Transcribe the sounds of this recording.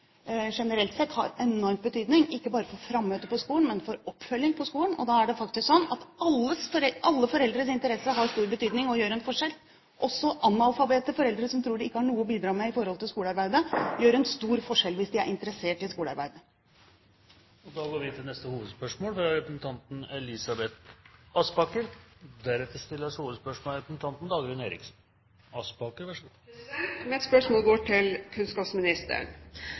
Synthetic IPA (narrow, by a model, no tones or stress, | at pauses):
ʂɛnəɾɛlt̪sɛt̪ːhɑ̰ɾɛnɔɾmt̪bət̪ʰyːd̪nɪŋɪkːəbɑːɾəfɔɾfɾɑmːøːt̪əpɔskuːləɳmɛnfɔɾɔpːfœlːɪŋpʰɔskuːlənɔ̰d̪ɑːæɖɛfɑk̚t̪ɪsksɔnːɑt̪ɑlːəsfɔɾɛʔɑlːəfɔɾɛld̪ɾəsɪnt̪əɾɛsːəɦɑɾst̪uːɾbət̪ʰyːd̪nɪŋɔjøːɾɛnfɔʂɛl | ʔɔsːɔʔɑnɑlfɑbeːt̪əfɔɾɛld̪ɾəsɔmt̪ʰɾuːɖɪɪkːəhɑɳuːəbiːd̪ɾɑːmɛɪfɔɾɔlt̪ʰɪlskuːlɑɾbæɪd̪əjøːɾɛnst̪uːɾfɔʂɛlʋɪsd̪ɪæɾʔɪnt̪əɾəseːʈɪskuːləɑɾbæɪd̪ə | ɔd̪ɑːɡoːɾʋɪt̪ʰɪlnɛst̪əhuːʋəd̪spœʂmoːlfɾɑɾɛpɾəsn̩t̪ʰɑnt̪n̩ɛlɪsɑbɛt̪ɑsbɑkəɾd̪æɾɛt̪ːəɾst̪ɪlːəʂuːʋəd̪spœʂmoːɾɛpɾəsn̩t̪ʰɑnt̪n̩d̪ɑːɡɾʉːneːɾɪ̰ksn̩ | ɑsbɑkəɾʋæʂ | mɛt̪spœʂmoːlɡoːʈʰɪlkʰʉnskɑpsmɪnɪst̪ə̰ɳ